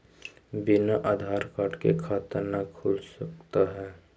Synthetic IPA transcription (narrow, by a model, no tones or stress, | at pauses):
bɪnaʔaːd̪ʱaːɾkaːʈkekʰaːt̪əɾnakʰʊlsɐk̚t̪aɦɛː